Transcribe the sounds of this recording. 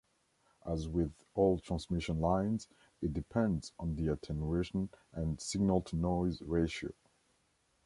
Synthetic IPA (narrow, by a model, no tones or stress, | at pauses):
ʔəzwɪð | ɔlˠtʰɹ̥ãnsmɪʃə̃nlãɪ̃nz | ɨt̚d̥ɨpʰɛ̃ndzn̩ðiɨtʰɛnueʃə̃nə̃nsɪɡ̚nəlˠtʰənɔɪzɹeɪʃio̰ʊ